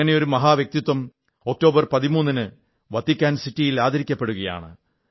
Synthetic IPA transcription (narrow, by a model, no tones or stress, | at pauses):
ɐne̞jo̞ɾumɐɦaːʋjɐk̚t̪it̪ːwɐm | o̞k̚ʈo̞ːbɐrpɐðimuːnːinɨ | ʋɐt̪ːikʲːaːnsitːijilaːd̪ʱɐɾikʲːɐpːe̞ɽuɣɐja̰ːɳɨ̰